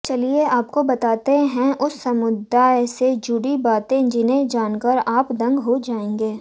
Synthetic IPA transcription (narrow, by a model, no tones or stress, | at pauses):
t͡ʃɐlieaːp̚kobɐt̪aːt̪eɦɛ̃ʔʊsːɐmʊd̪ajsed͡ʒʊɽibaːt̪ẽd͡ʒɪnẽd͡ʒaːnkəɾaːpd̪ɐ̃ŋɡɦod͡ʒaːẽːŋɡeː